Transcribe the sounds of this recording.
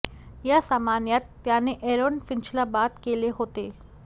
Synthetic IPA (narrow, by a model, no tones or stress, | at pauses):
jasaːmaːnjət̪ː | jãːneʔeːɾoːnfɪnt͡ʃlabaːt̪kelieɦoːt̪eː